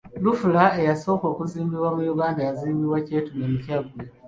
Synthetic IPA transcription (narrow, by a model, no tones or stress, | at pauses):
lufulaejasoːko̞ːkuziːmbiβwamujuɡaːndajaziːmbiβwacetumemucaɡuwe